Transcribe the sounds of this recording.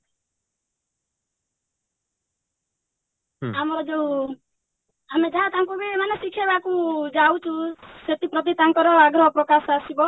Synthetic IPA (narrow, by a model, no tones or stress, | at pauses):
amɔɾɔd͡ʒeũ | amed͡ʒaɦat̪aŋkubiemanesikʰebakud͡ʒawt͡ʃʰuset̪ipɾɔt̪̬it̪aŋkɔɾɔaɡɾɔɦɔpɾɔkasasibɔ